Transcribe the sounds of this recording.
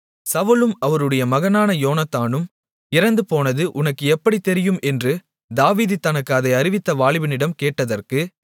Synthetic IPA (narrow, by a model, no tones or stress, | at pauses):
sɐʋɯlɯmɐʋɐɾɯɽɐjɐmɐɣɐnaːnɐjoːnɐt̪ːaːnɯm | ɪɾɐnd̪ɯpoːnɐðɯʔʊnɐkːɯɛpːɐɽit̪ːɛɾɪjɯmɛndrɯ | d̪aːʋiːðɯt̪ːɐnɐkːɐðɐɪɐɾɪʋɪt̪ːɐʋaːɭɪʋɪnɪɽɐmkeːʈːɐðɐrkɯ